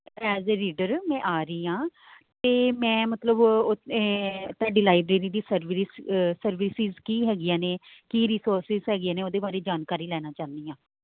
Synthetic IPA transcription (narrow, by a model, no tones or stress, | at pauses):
ɛːzeɾiːɖəɾmɛ̃ːʔaːɾəiːãː | t̪eːmɛ̃ːmət̪ləbo | t̪aːɖiːlaːɪbɾeːɾiːd̪iːsəɾʋissəɾʋiːsɪzkiːɦɛːɡɪjãːneːkiːɾiːsoːɾsɪzɦɛːɡɪjãːneːoːd̪eːbaːɾeːd͡ʒaːnkaːɾiːlɛːnãːt͡ʃaːnd̪iːãː